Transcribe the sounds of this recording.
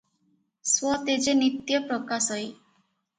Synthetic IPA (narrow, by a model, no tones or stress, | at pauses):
swɔt̪ed͡ʒenit̪jɔpɾɔkasɔj